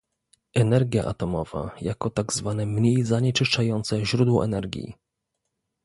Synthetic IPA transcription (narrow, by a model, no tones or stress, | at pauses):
ɛnɛɾɡʲja̰ʔa̰t̪ɔmɔva̰jakɔt̪aɡzvanɛmɲejzaɲɛt͡ʂɘʂt͡ʂajɔnt̪sɛʑɾud̪wɔʔɛ̰nɛɾɡʲḭ